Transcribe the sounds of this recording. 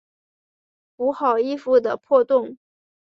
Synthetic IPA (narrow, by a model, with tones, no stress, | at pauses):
u˧˥xɑ˨˩ʊi˥˧fu˥˩d̪ə˩pʰwɔ˥˧t̪ʊ˥˩ŋ